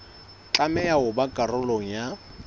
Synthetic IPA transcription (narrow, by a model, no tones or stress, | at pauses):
t͡ɬʼamɛjaʊbakʼarʊloŋ̩ja